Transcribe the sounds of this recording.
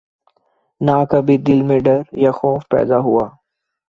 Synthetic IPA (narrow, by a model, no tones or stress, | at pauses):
naːkabʱid̪ɪlmẽɖəɾjaxɔːfpɛ̰ːd̪aɦʊaː